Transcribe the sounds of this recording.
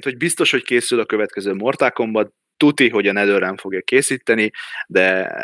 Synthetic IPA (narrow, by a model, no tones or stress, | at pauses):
nt̪hoɟ̚bist̪o̞ʃho̞ckeːsylɒkø̞vɛt̪kɛzøːmo̞rt̪aːko̞mbɒ | t̪ut̪iɦo̞ɟɒnɛd̪øːɾɛɱfo̞ɡjɒkeːsiːt̪ːɛnid̪ɛ